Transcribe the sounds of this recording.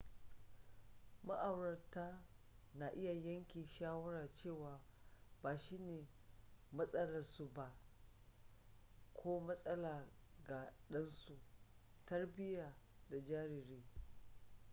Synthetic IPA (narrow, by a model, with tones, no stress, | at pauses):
ma˦ʔa˨wɽɐ˨rtaː˦ | na˨ʔɪ˦ja˨jɐ˦ŋkʲiː˨ʃaː˦wɐ˦ɾaː˨t͡ʃeː˦˨waː˨baː˨ʃi˦neː˨mɐ˦sʼɐ˦lɐ˨su˨ba˦ʔ | kʷʰoː˦mɐ˦sʼɐ˦laː˨ɡa˨ɗɐ˦nsu˨ | tɐ˦rbɪ˦jaː˨da˨d͡ʒaː˦ɾɪ˨ɾeː˦